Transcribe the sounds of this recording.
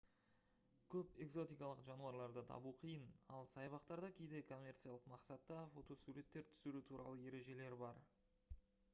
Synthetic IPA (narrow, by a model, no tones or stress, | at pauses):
kʲʰɵpe̞ɡzo̞t̪ijkɑlˠəqʒɑnuɑɾlˠɑɾd̪ət̪ʰɑ̰buqʰijənɑlˠsɑjbɑqt̪ɑɾd̪ɑkʲʰejd̪e̞kʰo̞mʲːe̞rt̪sɨjalˠəqmɑqsɑt̪ːɑfo̞t̪o̞suɾe̞t̪ːe̞ɾt̪ʰʏ̥sɪɾut̪ʰuɾʔɑ̰lˠəe̞ɾe̞ʒe̞le̞ɾbɑɾ